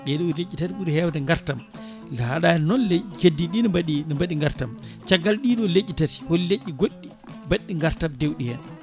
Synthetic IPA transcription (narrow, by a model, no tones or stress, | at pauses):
ɗɛɗɔwlet͡ʃːitatiɓuɾhɛwdɛŋɡaɾtam | lahaɗajɛnnɔnlekedːiɗinɔmbaɗinɔmbaɗiŋɡaɾtamt͡ʃaɡːalɗiɗɔled͡ʒʲːitati̥holleʔːiɡoɗːi | baɗːiŋɡaɾtamdewɗihɛn